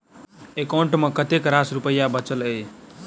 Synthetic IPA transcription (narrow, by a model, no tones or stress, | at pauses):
ekaɳʈmekət̪ekɾasɾupəjːabət͡ʃələj